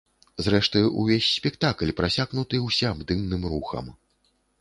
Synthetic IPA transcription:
zɾɛʂt̪ɨṵvʲesʲːpʲɛkt̪aklʲpɾasʲaɣnut̪ɨwsʲɛabd̪ɨmnɨmruxɐ̰m

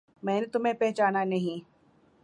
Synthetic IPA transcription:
mɛ̃ːnet̪ʊm̤ẽpɛɦt͡ʃaːnanɐɦĩ

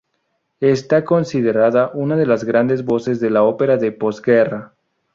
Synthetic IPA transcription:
est̪ako̞nsiðe̞ɾaðaʔunaðe̞lazɣɾand̪e̞zβo̞se̞zðe̞lao̞pe̞ɾaðe̞po̞zɡera

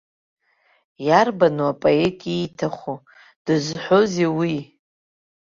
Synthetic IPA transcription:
jarbanuapʼoetʼijtʰaχʷu | d̥ɨzħʷo̞zewi

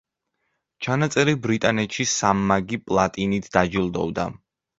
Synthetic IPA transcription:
t͡ʃʰanat̪sʼɛɾibɾit̪ʼanɛt̪ʃisamːaɡipʼlˠat̪ʼinit̪ʰd̪ad͡ʒilˠd̪ɔ̰vd̪a̰

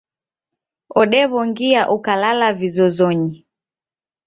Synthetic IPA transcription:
ɔɗɛβɔŋɡiaʔukalalavizɔzɔɲi

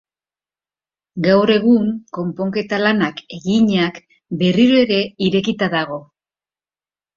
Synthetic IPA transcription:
ɡawɾe̞ɣ̞uŋko̞mpo̞ŋke̞t̪alanake̞ɣiɲak | be̞riɾoe̞ɾe̞iɾe̞kit̪aðaɣ̞o̞

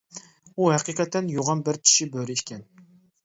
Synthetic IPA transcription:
uhæqiqʰɛt̪ʰːɛnjoʁɑnbɪɾt͡ʃʲʰi̥ʃibøɾɪʃkʲɛn

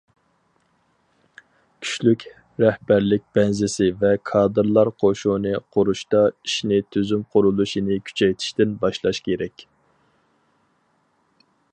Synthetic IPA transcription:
kʲʰy̥ʃlykʲ | ɾɛhbæɾlɪk̚ʲb̥ɛnzɪsɪvɛkʰɑːd̪ɨɾlˠɑɾqʰoʃunɨqʰʊɾuʃt̪ɑiʃnɪt̪ʰyzymqʰʊɾulˠuʃinɪkʲʰy̥t͡ʃʰɛjt̪ʰɪ̥ʃt̪ɪnbɑʃlˠɑʃkʲʰeɾɛkʲ

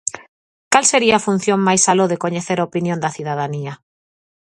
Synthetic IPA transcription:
kalseɾiaːfun̟θjoŋmajsaloðekoɲeθeɾaopinjõnd̪ɐθiðað̞ania

